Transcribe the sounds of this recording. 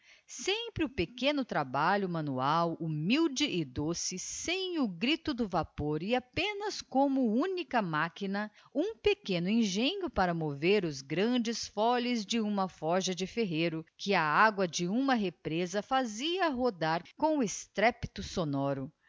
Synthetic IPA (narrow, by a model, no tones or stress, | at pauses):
sẽpɾɪʊpekẽnʊt̪ɾabaʎʊmɐ̃nuawumiwd͡ʒɪʔɪd̪osɪsẽj̃ʊɡɾit̪ʊd̪ʊvapoɾɪapẽnɐskõmʊũnikɐmakinɐ | ũpekẽnʊĩʒẽɲʊpaɾɐmoveɾʊzɡɾɐ̃d͡ʒɪsfɔʎɪzd͡ʒɪũmɐfɔʒɐd͡ʒɪfeɦeɾʊkʰɪɐaɡwɐd͡ʒɪũmɐɦepɾezɐfaziɐɦod̪aɾkõʊest̪ɾɛpi̥t̪ʊsonɔɾʊ